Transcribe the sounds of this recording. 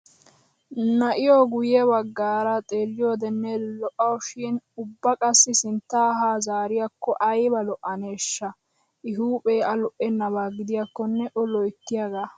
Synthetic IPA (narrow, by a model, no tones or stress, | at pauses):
nɐʔɪjoɡʊjɛbɐɡːaːɾɐt̪ʼeːlːɪjoːd̪ɛnːɛlɔʔɐwʃɪnʊbːɐkʼɐsːɪsɪnt̪ːaːɦaːzaːɾɪjɐkːɔʔɐjbɐlɔʔɐneːʃːɐ | ʔɪɦuːpʼeːʔɐlɔʔɛnːɐβaːɡɪd̪ɪjakːɔnːɛʔɔlɔjt̪ːɪjɐɡaː